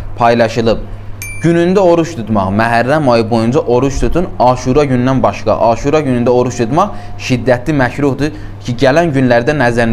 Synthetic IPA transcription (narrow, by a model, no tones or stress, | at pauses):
pʰɑjlˠɑʃɯlˠɯb̚ | ɟ̥ynynd̪æo̞ɾuʃt̪ʰut̪mɑχmæɦæɾːæmojɯbo̞jund͡ʒɑʔo̞ɾuʃt̪ʰut̪ʰunɑːʃuɾɑɟynːænbɑʃkɑ̰ʔɑːʃuɾɑɟynynd̪æo̞ɾuʃt̪ʰut̪mɑχ | ʃid̪ːæt̪ʰlimæçɾuhd̪ɯ | cʰiɟælænɟynlæɾd̪ænæzæɾn